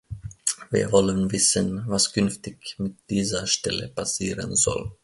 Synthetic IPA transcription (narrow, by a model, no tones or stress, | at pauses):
viːɐvɔlənvɪsənvaskʰʏnftɪçmɪt̚d̥iːzɐʃtɛlə̰pʰasiːʁə̰nzɔ̰l